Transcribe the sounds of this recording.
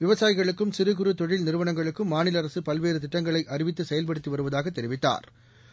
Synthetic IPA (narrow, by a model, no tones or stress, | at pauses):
ʋɪʋɐsaːjɪɣɐɭɯkːɯmsɪɾɯɣɯɾɯt̪ɔɻɪlnɪɾɯʋɐnɐŋɡɐɭɯkːɯmːaːnɪlɐɾɐsɯpɐlʋeːɾɯt̪ɪʈːɐŋɡɐɭɐɪʔɐrɪʋɪt̪ːɯsɛjɐlp̬ɐɽɯt̪ːiʋɐɾɯʋɐðaːɣɐt̪ːɛɾɪʋɪt̪ːa̰ːɾ